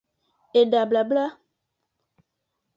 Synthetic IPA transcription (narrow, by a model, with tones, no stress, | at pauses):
e˨ɖa˨bla˨bla˦